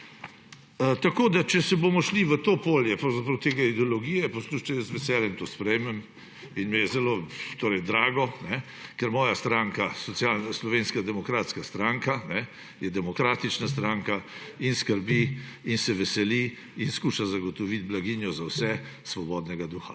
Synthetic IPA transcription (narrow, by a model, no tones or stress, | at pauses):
t̪akoːd̪at͡ʃɛsɛbomɔʃliʋət̪opoljɛpɾɐwzapɾɐwt̪eɡaid̪ɛɔlɔɡiːjɛpɔsluʃt͡ʃɛjəzʋɛsɛːljɛmt̪oːspɾɛjmɛm | inmɛjɛzɛlot̪oːɾɛjd̪ɾaːɡɔnɛ | kɛɾmɔːjast̪ɾaŋkasɔt̪sjalnaslɔʋenskad̪ɛmɔkɾaːt̪skast̪ɾaŋkanɛ | jɛd̪ɛmɔkɾaːt̪it͡ʃnas̬t̪ɾaŋkainskəɾbi | insɛʋɛsɛli | inskuːʃazaɡɔt̪ɔʋit̪blaɡinjɔzawsɛ | sʋɔbɔːd̪nɛɡad̪uːxa